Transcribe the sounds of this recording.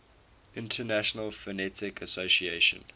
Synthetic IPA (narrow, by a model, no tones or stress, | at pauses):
ʔɪ̃ntʰənæʃənəlfənɛtɪkʰəsosieʃə̰̃n